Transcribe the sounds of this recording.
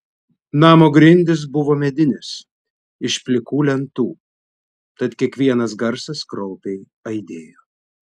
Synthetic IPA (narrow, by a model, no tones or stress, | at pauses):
nɑːmoːɡɾʲɪnʲd̪ʲɪs̬bʊʋoːmʲɛd̪ʲɪnʲɪs | ɪʃpʲlʲɪkuːlʲɛnt̪uː | t̪ɐt̪kʲiɛkʋʲiɛnɐs̬ɡɐɾsɐskɾɔʊpʲɛɪ | ɐɪd̪ʲeːjoː